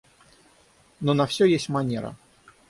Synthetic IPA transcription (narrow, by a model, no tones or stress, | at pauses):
nonɐfsʲɵjesʲtʲmɐnʲeɾə̰